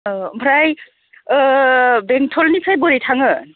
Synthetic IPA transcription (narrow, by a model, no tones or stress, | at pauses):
bʱɾaj | beŋtʰɔlnisʰajbɔɾitʰaŋɯ